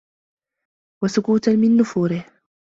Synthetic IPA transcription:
wasʊkuːt̪amɪnːʊfuːɾɪh

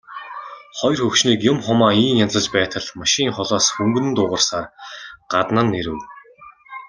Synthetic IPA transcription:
χɔj̆rxɵkʃniːkjʊmχʊmaːiːnjamt͡sə̆t͡ɕpæːt̪ʰə̆ɮmaʃɪiŋχɔɮɔːsxɵŋɡɵ̆nɘ̆nt̪ʊːʁə̆rsaːrɢ̥at̪nə̆nːeɾɘ̆w

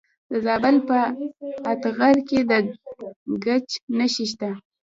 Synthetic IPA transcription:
d̪əzɑbalpəat̪ɣaɾked̪ə | ɡat͡ʃnəʃiʃ̬t̪a

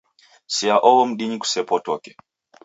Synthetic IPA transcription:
siaʔɔwɔm̩ɗiɲiku̥sɛpɔtɔkɛ̥

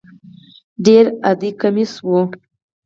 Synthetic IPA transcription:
ɖeɾad̪ikamiswu

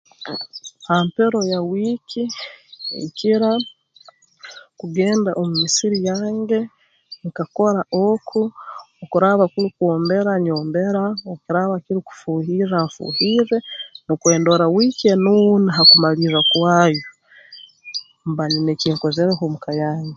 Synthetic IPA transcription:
hampe̞ɾo̞jawiːkʰi | ḛciɾa | kuɡe̞ːndaʔomumisiɾijaːŋɡe̞ | ŋkako̞ɾaʔokʰuː | kuɾaβakuɾikwoːmbe̞ɾaɲo̞ːmbe̞ɾaokuɾaβakiɾiku̥fuːhiraɱfṵːhiːɾe̞nokwe̞ːndoɾawiːkienuniɦakumaliɾakwaːjo | mbanineciːŋko̞zeɾeɦomukajaːŋɡe

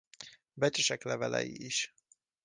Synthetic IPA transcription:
bɛt͡ʃɛʃɛklɛvɛlɛ̰jiiʃ

